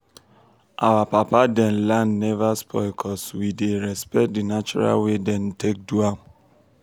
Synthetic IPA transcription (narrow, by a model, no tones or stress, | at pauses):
ʔawapapadɛ̃nlãnnɛvaspʰɔ̰ɪkʰɔswideɹɛspɛt̚dinat͡ʃɔ̰ɹa̰lwedɛ̃ntʰek̚dua